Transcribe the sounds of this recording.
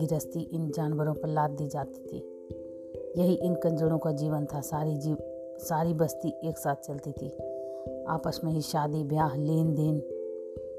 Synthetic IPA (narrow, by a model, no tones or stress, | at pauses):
iɾəst̪iʔɪnd͡ʒaːnʋəɾõpəɾlaːd̪ːid͡ʒaːt̪i̥t̪ʰḭ | jɐɦiʔɪnkɐ̃nd͡ʒəɽ̃õkad͡ʒiːʋənt̪ʰasaːɾid͡ʒi | saːɾibəst̪iʔeːksaːt̪̚ʰt͡ʃɐlt̪it̪ʰi | a̰ːpəsmẽɦiʃaːd̪ibjaːɦleːnd̪eːn